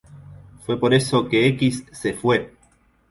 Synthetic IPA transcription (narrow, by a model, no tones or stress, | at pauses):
fwe̞poɾe̞sokeekisːefwe